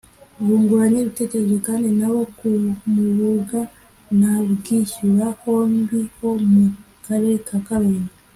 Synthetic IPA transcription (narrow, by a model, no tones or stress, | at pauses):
βuŋɡuaɲeβitecezwekanenawo̞kumuɾuɡa | naβuɡiʃiβahoːmbiho̞mu | kaɾekʰakaβeːna